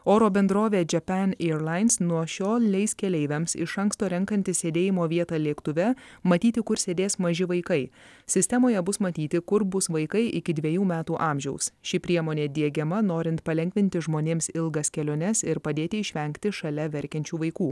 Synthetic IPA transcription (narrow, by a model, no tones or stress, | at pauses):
oːɾoːbʲɛnd̪ɾoːʋʲeːd͡ʒʲɛpʲɛneɾlˠɐɪnsnuɔʃʲoːlˠlʲɛɪskʲɛlʲɛɪʋʲɛmsɪ̰ʃɐŋkst̪oːɾʲɛŋˑkɐnʲt̪ʲɪssʲeːd̪ʲeːjɪmoːʋʲiɛt̪ɑːlʲiːkt̪ʊʋʲɛmɐt̪ʲiːt̪ʲɪkʊɾsʲeːd̪ʲeːsmɐʒʲɪʋɐɪkɐɪsʲɪsʲt̪ʲɛmoːjɛbʊsmɐt̪ʲiːt̪ʲɪkʊɾbʊsʋɐɪkɐɪʔɪkʲɪd̪ʲʋʲiɛjuːmʲæːt̪uːʔɑːmʲʒʲɛʊsʃʲɪpʲɾʲiɛmoːnʲeːd̪ʲiɛɡʲɛmɐnoːɾʲɪnt̪pɐlʲɛŋʲkʋʲɪnʲt̪ʲɪʒmoːnʲeːmsɪlˠɡɐskʲɛlʲoːnʲɛsɪɾpɐd̪ʲeːt̪ʲɪɪʃʲʋʲɛŋʲkt̪ʲɪʃɐlʲɛʋʲɛɾʲkʲɛnʲt͡ʃʲuːʋɐɪkuː